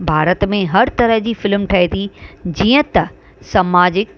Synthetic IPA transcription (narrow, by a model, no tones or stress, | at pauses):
bʱaːɾət̪mẽɦɐɾt̪ɐɾəɦd͡ʑiːfɪlmʈʰaɦit̪id͡ʑiːə̃t̪ɐ | sɐmaːd͡ʑɪk